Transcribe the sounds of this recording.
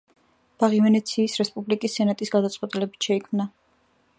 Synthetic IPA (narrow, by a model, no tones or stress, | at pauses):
b̥aʁivɛnɛt̪sʰiːsɾɛspʼublikʼisːɛnat̪ʼisɡad̪at̪sʼwɛt̪ʼilɛbit̪ʃɛikʰmna